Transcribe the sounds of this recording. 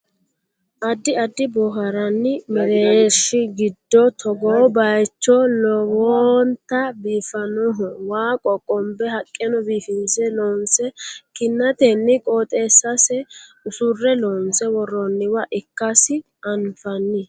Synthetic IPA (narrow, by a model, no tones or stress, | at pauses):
ʔɐd̪ːɪɐd̪ːɪbɔɦɐɾɐnːɪmɛɾeʃɪɡɪd̪ːɔt̪ʰɔɡoːbɐjt͡ʃːɔlɔwɔnt̪ːɐbiːfɐnɔɦɔwaːkʼɔkʼɔmbɛhɐkʼːɛnɔbiːfɪnsɛlɔːnsɛkɪnːɐt̪ɛnːɪkʼoːt̪ʼeːsɐsɛ | ʊsʊrːɛlɔnsɛwɔrːɔnːɪwɐʔɪkːɐsɪ | ʔɐnfɐnːɪ